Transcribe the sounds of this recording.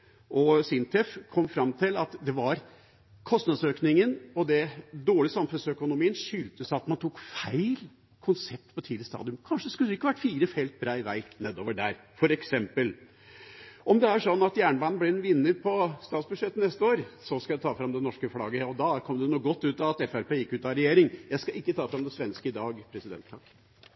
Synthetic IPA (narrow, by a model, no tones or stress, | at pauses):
ʔɔsɪnt̪ʰɛfkʰɔmːfɾɑmt̪ʰɪlɑt̪d̪ɛʋɑɾ | kʰɔst̪nɑd̪søːknɪŋənɔd̪ɛd̪oːɭɪsɑmfʉnsœkʊnʊmiːənʂʏlt̪əsɑt̪mɑnt̪ʰuːkfæɪl | kʰʊnsɛp̚t̪pɔt̪ʰiːd̪ɪəst̪ɑ̰ːd̪ɪʉmkʰɑnʂəskʉlːəɪkːəʋæʈːfiːɾəfɛɪlt̪̚bɾɑːɪʋæ̰ɪneːd̪oːʋəɖæɾfɔɾɛksɛmpəl | ʔɔmd̪ɛæʂɔnːɑt̪jæːɳəʋɑːnnblɛɛnʋɪnːət̪̚pʰɔst̪ɑːt̪sbʉʂɛt̪ːənɛst̪əoːɾsɔskɑjæɪt̪ʰɑːfɾɑmd̪ɛnɔʂkəflɑːɡəɔd̪ɑkʰɔmd̪ɛnuːɡɔt̪ːʉːt̪ɑɑt̪ɛfæɾpeːjɪkːʉːt̪ɑɾɛjeːɾɪŋjæɪskɑʔɪkːət̪ʰɑːfɾɑmd̪ɛsʋɛnskəɪd̪ɑːɡpʰɾɛsɪd̪ɛ̰nt̪ʰːɑkː